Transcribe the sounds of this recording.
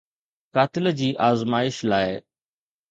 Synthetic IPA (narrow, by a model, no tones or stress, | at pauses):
kaːt̪ɪld͡ʑiːʔaːzmaːɪʃlaːɪ